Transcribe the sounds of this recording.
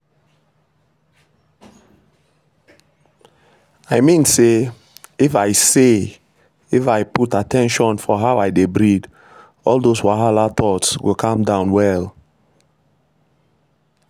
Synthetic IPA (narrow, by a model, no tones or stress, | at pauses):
aɪmĩnse | ifaɪse | ifaɪputatʰɛ̃nʃɔ̃nfɔɦaʊaɪdebɹid | ɔldoswaɦalatʰɔtsɡokʰãmdãʊ̃nwɛl